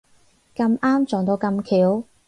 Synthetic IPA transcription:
kɐ˧maː˥mt͡ʃɔː˨˩ŋt̪o˧wkɐ˧mkʰiː˨˥w

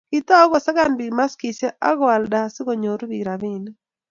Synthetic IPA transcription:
kɪ˨t̪ɔ˦ɡɔ˨sa˦ɡa˦˨nbi˨ma˦ski˨se˦ʔa˦ɡɔ˦a˨lda˨sɪ˦ɡo˨ɲo˨ɾbi˨ɾa˨bi˦n

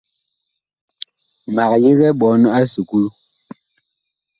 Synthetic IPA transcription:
ma˨k̚ji˦ɣɛ˦ɓɔ˨˦n˦a˦su˨ku˦l

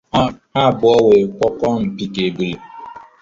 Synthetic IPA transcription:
a˦˨bʊ˨˦ɔ˦we˨k͡pɔ˦kɔ˦m̩˨pi˨ke˨bi˨le˨

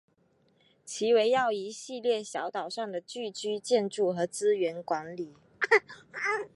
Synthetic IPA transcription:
t͡ɕʰi˧˥we˧˥ɪjɑ˥˩ʊi˧˥ɕi˥˧ljɛ˥˩ɕjɑ˧˥ʊt̪ɑ˨˩ʊʂɑ˥˩ŋd̪ə˩t͡ɕy˥˩t͡ɕy˥t͡ɕjɛ˥˧nʈ͡ʂu˥˩xɤ˧˥t͡sɹ̩˥ɥɛ˧˥nkwa˧˥nli˨˩˦

